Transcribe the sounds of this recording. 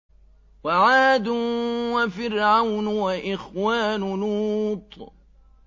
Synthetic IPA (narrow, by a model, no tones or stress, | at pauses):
waʕaːd̪ʊwafɪɾʕawnwaʔɪxwaːnʊnuːt̪ˤ